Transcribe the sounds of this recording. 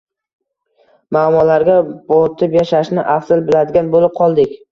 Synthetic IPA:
maːmɒlaɾɡʲab̥ɒɾt̪ʰɪpjaʃaʃnɪʔafz̥ɪlbɪlad̪ɪɡʲanbolɪp̚qʰɒlˠd̪ɪkʲ

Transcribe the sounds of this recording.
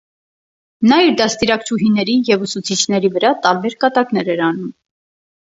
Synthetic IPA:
nɑiɾd̪ɑst̪iɾɑkt͡ʃʰuɦinɛɾijɛvusut͡sʰit͡ʃʰnɛɾivəɾɑt̪ɑɾbɛɾkɑt̪ɑknɛɾɛɾɑnum

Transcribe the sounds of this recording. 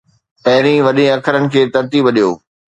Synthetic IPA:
pɐɦɪɾĩʋɐɗẽɐkʰəɾənɪ̆kʰeːt̪ɐɾt̪iːbɐɗijoː

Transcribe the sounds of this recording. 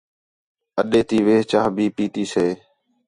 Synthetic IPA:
əɗeːt̪iːʋeːɦt͡ʃaːɦbʱiːpiːt̪iːseː

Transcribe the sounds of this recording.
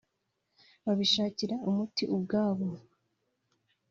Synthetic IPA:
βaβiʃaːciɾaumutiʔub̚ɡaːβo

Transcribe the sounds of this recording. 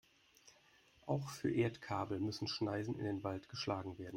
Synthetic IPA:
ʔaʊxfyːɐʔeːɐtkʰaːbl̩mʏsn̩ʃnaɪzn̩ɪ̰ndeːnvaltɡ̥əʃlaːɡŋ̩veːɐdn̩

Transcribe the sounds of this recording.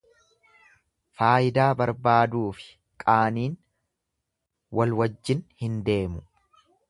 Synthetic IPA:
faːʔɪd̪aːbɐɾbaːd̪uːfɪ̥ | kʼaːniːn | wɐlwɐd͡ʒːɪnhɪnd̪e̞ːmʊ

